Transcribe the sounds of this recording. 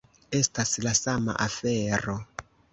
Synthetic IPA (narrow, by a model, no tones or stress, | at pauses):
estaslasama̰ʔafeɾo